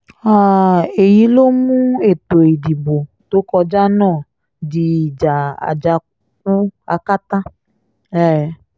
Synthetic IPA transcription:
a˦˨e˨ji˨˧˦lo˦mũ˦e˦˨to˨e˨di˨bo˨ | to˦kɔ˧d͡ʒa˦nãː˦˨ | di˨d͡ʒa˨a̰˨d͡ʒa˧k̚ɔ˦a˧ka˦ta˦ | ɛ˦˨˦

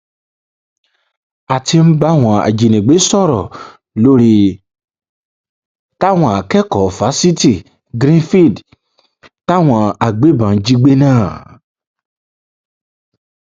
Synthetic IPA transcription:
a˨ti˧m̩˦ba˦w̃ɔ̃˧a̰˨d͡ʒi˨nĩ˨ɡ͡be˨˦sɔ˦˨ɾɔ̰˨ | lo˦ɾi˦ | ta˦w̃ɔ̃˧a˨kɛ˦kɔ˨fa˨˦si˦ti˦˨ | ɡɾĩ˦fi˦˨d | ta˦˨w̃ɔ̃˧a˨ɡ͡be˨˦bã˨˦d͡ʒi˧ɡ͡be˦nãː˦˨

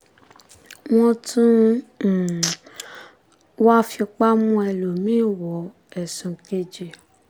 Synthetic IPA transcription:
mɔ̃˧tũ˦˨ | wa˦fi˧k͡pa˦mũ˧˦ɛ˧lo˨mĩ˨˦˨wɔ˨˦ | ɛ˨sũ˨ke˧d͡ʒe˨

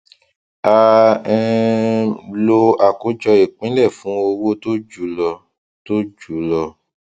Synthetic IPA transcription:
a˧ɛ˦ | lo˧a˨ko˨˦d͡ʒɔ˧e˨k͡pĩ˨˦lɛ˦˨fũ˨˦o˧wo˦to˦d͡ʒu˨˦lɔ˧ | to˦d͡ʒu˨˦lɔ˧

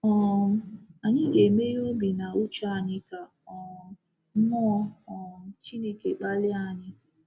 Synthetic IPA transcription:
ɔ˨ | a˨ɲɪ˦ɡe˨me˦o˦bi˨na˨u˦t͡ʃa˦a˨ɲɪ˦ka˨ | ɔ˨˦ | mɔ˦ɔ˨t͡ʃi˦ne˦ke˨k͡pa˦lɪ˦a˨ɲɪ˦

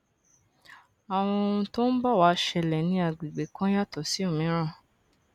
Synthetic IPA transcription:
a˨w̃ɔ̃˧o˧ũ˧to˦n̩˦ba˦˨wa˨˧˦ʃɛ˧lɛ˨nĩ˧a˧˨ɡ͡bi˨ɡ͡be˨˦kã˦ja˦˨tɔ˨˦si˦o˦˨mĩ˨˦ɾ̃ã˦˨

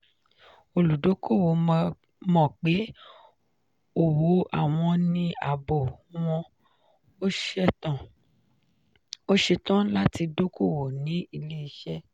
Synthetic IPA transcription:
o˨lu˨do˨˦ko˦˨wo˨˧ | mɔ̃˨k͡pe˨˦ | o˨wo˨˦a̰˦˨w̃ɔ̃˧nĩ˧a˨bo˨w̃ɔ̃˧ | o˦ʃɛ˦tã˨ | o˦ʃe˧tã˦la˦ti˧do˦kʰo˦˨wo˨nĩ˨˦i˧le˦i˧ʃɛ˦

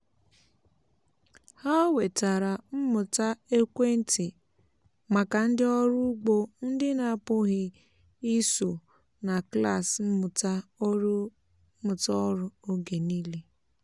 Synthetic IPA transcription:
ha˦we˨ta˨ɾa˨m̩˦mʊ˨ta˦e˦kʷe˦n̩˦tɪ˨ | ma˨ka˨n̩˦dɪ˦ɔ˦ɾʊ˦ɡ͡bo˦n̩˦dɪ˦na˨pʊ˦ɣɪ˦ | i˦so˨ | na˨kla˦˨sm̩˦mʊ˨ta˦ | mʊ˨tɔ˦ɾʊ˦o˦ɡe˨ni˦le˦

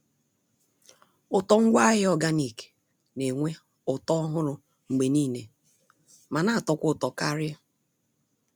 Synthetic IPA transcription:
ʊ˨tɔ˨ŋ̩˦ɡʷa˦ɦɪ˦ɔ˦ɡa˦ni˨ke̥˨ | ne˨ŋʷe˦ | ʊ˨tɔ˦ɦʊ˦ɾʊ˨ | ŋ͡m̩˨ɡ͡be˨niː˦˨ne˨ | ma˨na˦a˨tɔ˨kʷʊ˦˨tɔ˨ka˦ɾja˦

